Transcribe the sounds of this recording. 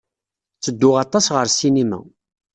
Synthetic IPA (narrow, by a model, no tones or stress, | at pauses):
t͡sːəd̪ːʊʁɑt̪ˤɑsʁəɾsinimæ̰